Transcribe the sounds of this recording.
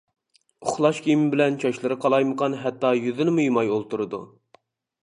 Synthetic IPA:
ʊχlˠɑʃkʲʰijmɪbɪlɛnt͡ʃʰɑʃlˠɨɾɨqʰɑlˠɑjməqʰɑnɦɛt̪ːɑjyðɪnɪmujmɑjolˠt̪uɾɨd̪ṵ

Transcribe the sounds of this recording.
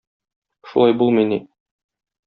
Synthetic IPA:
ʃulˠɑjbulˠmɤjni

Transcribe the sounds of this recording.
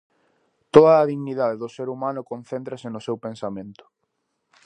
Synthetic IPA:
t̪oðɐːðiɣniðaðeðʊseɾumanʊkonθent̪ɾɐsɪnʊsewpensamẽnt̪ʊ̥

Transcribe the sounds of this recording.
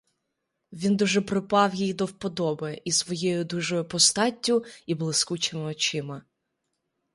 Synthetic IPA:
ʋʲind̪uʒɛpɾɪpɑwjijd̪ɔwpɔd̪ɔbɪʔisʋɔjɛjʊd̪uʒɔʊpɔst̪ɑtʲːʊiblˠɪskut͡ʃɪmɪɔt͡ʃɪmɐ

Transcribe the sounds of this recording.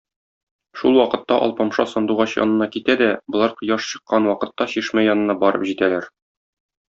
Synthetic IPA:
ʃulˠwɒqɤ̆t̪ːɑʔɒ̰lˠpɑmʃɑsɒnd̪uʁɑɕjɒ̰nɤ̆nɑkit̪æd̪æbɤ̆lˠɑɾqɤ̆jɑʃɕɤ̆qːɑnwɒqɤ̆t̪ːɑɕiʃmæjɒnɤ̆nɑbɒɾɤ̰pʑit̪ælæɾ

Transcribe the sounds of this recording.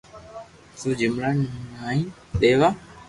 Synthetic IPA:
sũːd͡ʒɪmɾaːnaːɦĩː | ɗeːʋaː

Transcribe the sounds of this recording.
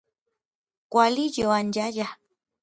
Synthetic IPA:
kʷwalijoand͡ʒaja

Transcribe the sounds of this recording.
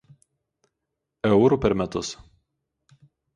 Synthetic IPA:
ɛʊɾupʲɛɾmʲɛt̪ʊs

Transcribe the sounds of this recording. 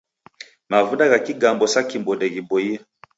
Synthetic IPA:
mavunaɣakiɡambɔsakimbɔdɛɣibɔi

